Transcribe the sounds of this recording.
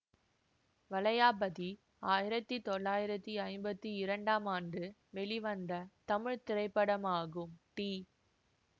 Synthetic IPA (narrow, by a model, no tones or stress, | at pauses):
ʋɐlɐjaːbɐði | aːjɪɾɐt̪ːit̪ɔɭːaːjɪɾɐt̪ːiɐɪmbɐt̪ːiɪɾɐɳɖaːmaːndɯʋɛɭiʋɐnd̪ɐt̪ɐmɪɻt̪ɪɾɐɪpːɐɽɐmaːɣɯmʈiː